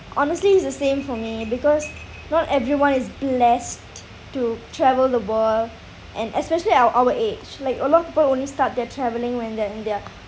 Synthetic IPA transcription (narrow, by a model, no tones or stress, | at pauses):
ʔɔnəstliːs̬dəsẽmfɔmibikɔs | nɔtɛvɹiwãnɪsblɛs | tːutʰɹɛvəldəwəl | ʔɛ̃nʔɛspɛʃəliaʔawəʔed͡ʒlaɪkəlɔtɔfpiːpəlõnlistat̚dɛətʰɹɛvəlɪ̃ŋwɛ̃ndɛaɪ̃ndɛa